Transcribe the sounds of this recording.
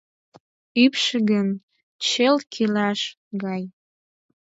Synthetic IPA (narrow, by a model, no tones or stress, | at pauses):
ypʃəɡən | t͡ɕelkʰilɑʃ | ɡɑj